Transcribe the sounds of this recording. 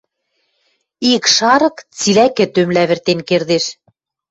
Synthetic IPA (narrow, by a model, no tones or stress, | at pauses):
ikʃɑɾɤ̆kt͡silækɘ̆t̪ømlæβɘ̆rt̪enkerd̪eʃ